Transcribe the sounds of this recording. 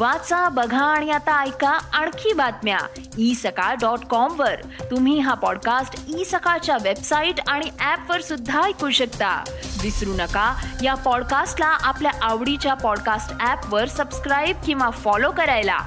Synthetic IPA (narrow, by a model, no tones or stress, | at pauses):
ʋat͡sabəɡʱaːɽ̃ijat̪aːjkaaɳkʰiːbat̪mja̰ | isəkaɖɔʈkɔmʋəɾ | t̪um̤iːɦapɔɽkasʈisəkat͡ɕjaʋebsaiʈaɽ̃iʔæpʋəɾsud̪ʱːajkuɕəkt̪a̰ʋisɾunəkajapɔɽkasʈlaʔapljaʔaʋɽit͡ɕjapɔɽkasʈæpʋəɾsəbskɾajb̚kĩw̃ʋafɔlokəɾajla̰